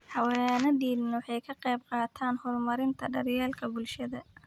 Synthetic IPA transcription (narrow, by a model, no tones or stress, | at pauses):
ħɑwɛːnɐɖiːlnwħɛjkʰɐqɛjb̚qɑːt̪ʰaːnhɔrmɐɾɪnt̪ʰɐɖɐrjɛːlkʰɐbʊlʃɐðɐ